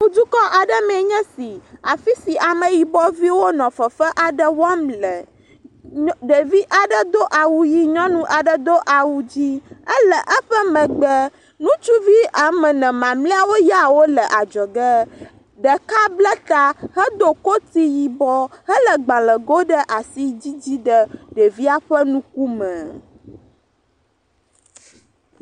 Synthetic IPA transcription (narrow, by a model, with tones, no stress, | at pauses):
ŋũ˦d̪u˦kɔ˦ʔa˨ɖə˦mɛ˨ɲɛ̃˦si˨a˨fi˦si˨ʔa˨mə̃˨ji˨bɔ˦vi˦wo˦nɔ̃˨fə˨fə˦ʔa˨ɖə˦wa˦mlə˨ | ɖə˨vi˦ʔa˨ɖə˦d̪o˦ʔa˨wu˨ji˦ɲɔ̃˦nũ˦ʔa˨ɖə˨d̪o˦ʔa˨wu˦d͡ʑi˦ə˦lə˨ʔə˦ɸə˦mɛ̃˨ɡ͡bə˦ | nũ˦t͡ʃu˦vi˦a˨mɛ̃˨nɛ̃˨mã˨mlẽ˦a˨wo˦ja˦˨wo˦lə˨ʔa˨d͡ʒɔ˨ɡə˦ | ɖə˨ka˦blɛ˦t̪a˦hə˦d̪o˨ko˦t̪i˦ji˨bɔ˦hə˦lə˨ɡ͡ba˨lə̃˨ɡo˦ɖə˦ʔa˨si˦d͡ʑi˦d͡ʑi˦ɖə˨ɖə˨vi˦a˨ɸə˦nũ˦ku˦mɛ̃˨